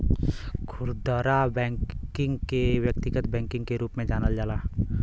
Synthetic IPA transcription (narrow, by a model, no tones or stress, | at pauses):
kʰʊɾd̪əɾabɛ̃ːkɪ̃ŋɡkewjək̚t̪ɪɡət̪bɛ̃ːŋkɪ̃ŋɡkeɾuːpmẽd͡ʒaːnəld͡ʒaːlaː